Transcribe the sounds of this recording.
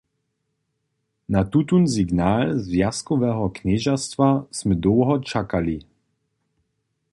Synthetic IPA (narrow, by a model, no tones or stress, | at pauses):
nat̪ut̪unziɡnaːlzvjaskɔvɛɦɔknɛʒast̪vasmɛd̪ɔːɦɔt͡ʃakali